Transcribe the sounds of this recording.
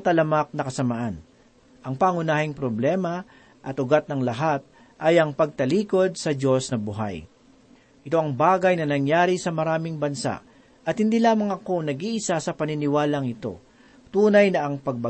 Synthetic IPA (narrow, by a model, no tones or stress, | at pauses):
t̪ɐlɐmak̚nɐkɐsɐmaʔan | ʔɐŋpaŋʊnaːhɪŋpɾoblɛːmɐ | ʔɐt̪ʊɡat̪̚nɐŋlɐɦat̪̚ | ʔɐjɐŋpɐɡ̚t̪ɐliːko̞d̪̚sɐd͡ʒo̞snɐbʊɦa̰j | ʔɪt̪o̞ʔɐŋbaːɡɐjnɐnɐŋjaːɾisɐmɐɾaːmɪŋbɐnsa̰ʔ | ʔɐt̪̚hɪnd̪iːlaːmɐŋɐko̞nɐɡiːʔɪsasɐpɐnɪnɪwaːlɐŋɪt̪o̞̰ | t̪uːnɐjnɐʔɐŋpɐɡ̚bɐ